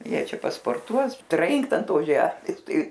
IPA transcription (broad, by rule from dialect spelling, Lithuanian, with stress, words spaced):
ˈjiɛ ˈt͡ʃʲɛ pɐspoːrˈtuɔs ˈtʲrʲɪŋkt ɐn ˈtoːs ˈʒʲæːmʲeːs ˈtɐɪ